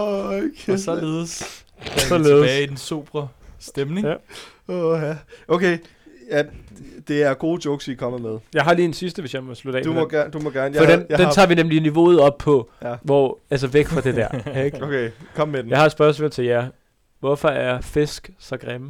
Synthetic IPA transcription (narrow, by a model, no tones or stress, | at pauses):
kʰesɒle̝ːð̩ˠs | sɒleːð̩ˠdensub̥ʁɐsd̥emne̝ŋæ | ohæʔoʊkʰeɪ | jæd̥e̝æɐɡ̥o̝ːdoɡ̥sikʰɒ̽məmeðˠjɑ̈ɪɦɑ̈li̥ːensisd̥əʋesjɑ̈ɪmɒ̽slud̥ɛ̰ːdumɔɡ̥æɐd̥umɔɡ̥æɐnjɒd̥endenʰɑ̰̈ːʋinemliniʋo̝̰ːð̞̩ˠɒ̽b̥̚pʰɒ̽ʋɒ̰æls̬əʋeɡ̥fɑd̥e̝d̥æɐ̰ɡ̥okʰekʰɒ̽mmed̥mjɑ̈ɪhɑ̈sb̥ɶɐsmolt͡sʰe̝ljæ | ʋɒfɒ̽æɐɐfe̝sɡ̥sɑɡ̥ʁɛm